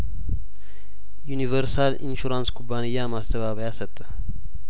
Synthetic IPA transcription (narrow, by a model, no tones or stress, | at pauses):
junivəɾsalḭnʃuɾanskʰʼubːanɨjːamast̪əβaβəjasət̪ʼːɨ